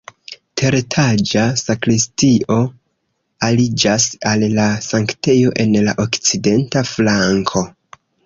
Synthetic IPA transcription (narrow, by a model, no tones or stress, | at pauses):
tʰe̞ɾetʰad͡ʒasakɾistiʔo̞ | alid͡ʒasalːasaŋkte̞jo̞ʔe̞nlaʔokt͡side̞ntaflaŋkʰo̞